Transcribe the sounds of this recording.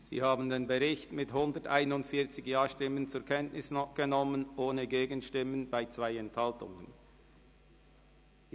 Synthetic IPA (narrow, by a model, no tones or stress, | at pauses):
z̥ḭːhaːbn̩deːnbəʁɪçtmɪthʊndəta̰ɪnʊndfɪːɐt͡sɪçjaːʃtɪmənt͡sʊɐkʰɛntnɪsɡ̥ənɔmənʔoːnəɡeːɡənʃtɪmənbaɪt͡sv̥aɪɛnthaltʊ̰ŋən